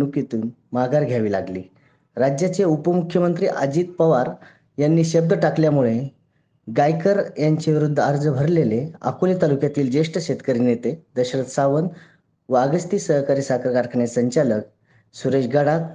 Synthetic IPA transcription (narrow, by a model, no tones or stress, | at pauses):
nukit̪uːnmaɡaɾɡʱjaʋiːlaɡlḭː | ɾad͡ʑjat͡ɕeupəmukʰːjəmənt̪ɾiːʔad͡ʑiːt̪̚pəʋaɾ | janːiːɕəb̚d̪ʱəʈakljamuɭe | ɡajkəɾjaɲt͡ɕeʋiɾud̪ʱːəəɾd͡zəbʱəɾlelea̰kulit̪alukjat̪iːld͡ʑeʂʈəɕet̪kəɾiːnjet̪ed̪əɕɾət̪saʋən | ʋaɡəst̪iːsəɦkaɾiːsakəɾkaɾkʰɳjesəɲt͡ɕalək | suɾeɕɡaɽak